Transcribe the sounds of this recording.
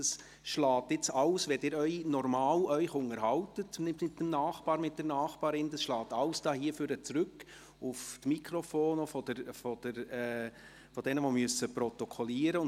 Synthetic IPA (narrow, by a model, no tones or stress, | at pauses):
ɑs | ʃlɑːtɪt͡sɑwsʋɛdɪːɾœʏnɔrmɑːlœʏxʊŋəɾɦɑwtətnɪɪtːəmnɑːχb̥ɑːɾmɪt̚d̥ɛɾnɑːχb̥ɑːɾɪnd̥ɑsʃlɑːtɑwsd̥ɑːhiːəføɾət͡sɾʏkː | uftmikʰɾɔfoːnofɔd̥əɾfɔd̥əɾɛ | fɔd̥ɛnəʋomyəsəpɾɔtɔkʰɔliːəɾəʊn